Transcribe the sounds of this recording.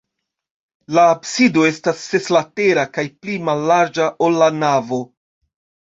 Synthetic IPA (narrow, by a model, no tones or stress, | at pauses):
laːbsido̞e̞stasːe̞slate̞ɾakajplimalːaɾd͡ʒaʔo̞lːanavo